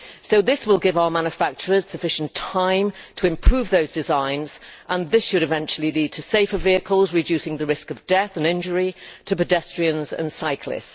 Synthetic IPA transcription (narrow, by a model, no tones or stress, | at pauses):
soʊðɪswɪlˠɡɪvaʊəmãnjəfak̚t͡ʃəɹəz̥səfɪʃə̃n̩tʰãɪ̃mtʰəɪ̃mpʰɹ̥ʉːvðoʊzdɪzãɪ̃nz̥ʔə̃nðɪsʃəɾɨvɛ̃nt͡ʃl̩ˠiliːd̚tʰəseɪfəviəkʰəlˠzɹɪd͡ʒʉˑsɪ̃ŋðəɹɪskəvdɛθə̃nɪ̃nd͡ʒəɹitʰəpədɛstɹ̥iə̃nzə̰̃nsaɪkʰlɪ̰s